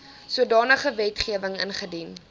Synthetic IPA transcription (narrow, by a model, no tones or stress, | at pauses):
suədɑːnəχəvɛtχiəvəŋə̰nχədin